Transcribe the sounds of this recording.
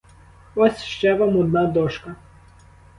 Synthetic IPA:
ɔsʲʃt͡ʃɛʋamɔd̪nɑd̪ɔʃkɐ

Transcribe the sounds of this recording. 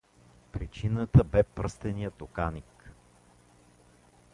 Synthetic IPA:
pɾit͡ʃinət̪əbɛpɾəst̪ɛnijət̪okanik

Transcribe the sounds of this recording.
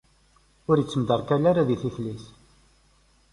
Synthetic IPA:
ʊɾjət͡sːəmd̪əɾˤkælaɾaðiθiθlis

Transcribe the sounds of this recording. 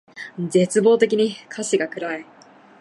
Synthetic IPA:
ze̞t͡sɨbo̞ːt̪e̞kʲiɲ̟ikʰaɕiɡakɯ̟ɾai

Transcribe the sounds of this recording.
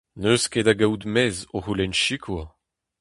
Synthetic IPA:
nøsked̪aɡawd̪mɛzoʁulɛnʃikʰwa

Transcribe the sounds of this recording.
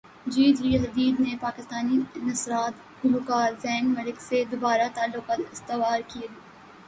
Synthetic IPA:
d͡ʒiːd̪ɾiɦɐd̪iːd̪nepaːkɪst̪aːninɐsɾaːt̪ | hʊlʊkaːzɛːnmɐlɪksed̪ʊbaːɾat̪aːlːʊkaːt̪ɪst̪ɪʋaːɾkie

